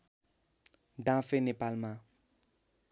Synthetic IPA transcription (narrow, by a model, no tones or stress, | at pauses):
dãfẽnepalmã